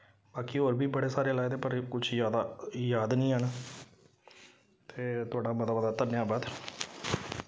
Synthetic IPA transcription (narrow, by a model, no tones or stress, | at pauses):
baːkiːɦoːɾbiːbəɽeːsaːɾeːlaːed̪eːpəɾkʊt͡ʃʰjaːd̪aːjaːd̪nĩːɦən | t̪eːt̪ʊaːɽaːmət̪aːbəd̪aːt̪ənjãːbəd̪